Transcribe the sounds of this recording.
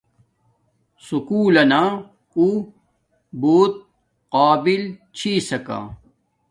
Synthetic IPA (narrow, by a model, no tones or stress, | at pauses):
sukuːlɐna | ku | boːt̪̚ | qaːbilt͡ɕʰiːsɐka̰